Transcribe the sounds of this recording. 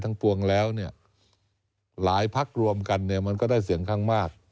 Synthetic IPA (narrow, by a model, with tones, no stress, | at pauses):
t̪ʰa˦˧˥ŋpu˧əŋlɛː˦˥wni˥˩ɐ | laː˩˦jpʰa˦˥˩k̚ɾu˧əmka˧nːi˥˩ɐma˧nkɔː˥˩daː˥˩jsi˨˩˦əŋkʰaː˥˩ŋmaː˥˩k̚